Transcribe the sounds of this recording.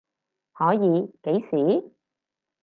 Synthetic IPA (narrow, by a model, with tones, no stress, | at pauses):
hɔː˨˥jiː˨˧˦pe˨˥jsiː˨˦